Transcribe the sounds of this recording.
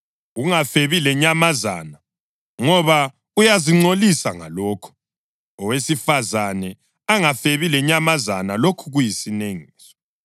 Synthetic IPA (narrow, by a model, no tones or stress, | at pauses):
uŋafeβilɛɲamaza̰ːna | ŋɔβa | ujaziŋ͡ǀolisaŋa̰lɔːkʰɔ̥ | ɔwesifazanɛ | aŋafeβilɛɲamaza̰nalokʰuɣujisineŋiiːsɔ̥